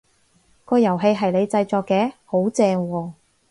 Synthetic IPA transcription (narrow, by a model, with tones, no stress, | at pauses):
kɔː˧jɐ˨˩wɦe˧jɦɐ˨jle˨˧jt͡sɐ˧jt͡ʃɔː˧kːɛː˨˧˥ho˨˥wt͡sɛː˧ŋwɔː˧